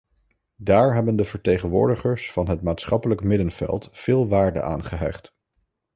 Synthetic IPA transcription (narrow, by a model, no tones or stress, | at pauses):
daːɹɦɛbəndəv̥əɹtejχənʋʊ̰ːɹdəχəɹsfɑnɦətmaːtsχɑpələkmɪdənv̥ɛ̰lˠtfɪːlˠʋaːɹdə̰ʔa̰ːnχəɦɛ̰χt